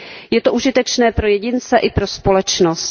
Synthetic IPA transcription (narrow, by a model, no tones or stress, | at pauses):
jɛt̪oʔuʒɪt̪ɛt͡ʃnɛːpɾo̞jɛɟɪnt͡sɛʔɪpɾo̞spo̞lɛt͡ʃnost̪